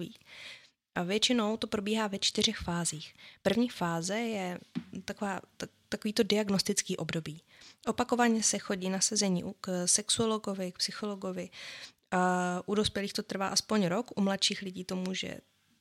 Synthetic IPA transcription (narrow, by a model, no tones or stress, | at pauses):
ḭː | ʔavjɛt͡ʃɪno̞wt̪o̞pɾo̞biːɦaːvɛt͡ʃt̪ɪr̝ɛxfaːziːxpr̩vɲiːfaːzɛjɛt̪akovaː | t̪akoviːt̪o̞dɪaɡno̞st̪ɪt͡skiːʔo̞bdo̞biː | ʔo̞pako̞vaɲɛsɛxo̞ɟiːnasɛzɛɲḭːʔuksɛksuolo̞ɡo̞vɪk̚psɪxo̞loɡo̞vɪ | ʔudo̞spjɛliːxt̪o̞t̪r̩va̰ːʔaspo̞ɲɾo̞kʔumlat̪ʃiːxlɪɟiːt̪o̞muʒɛ̰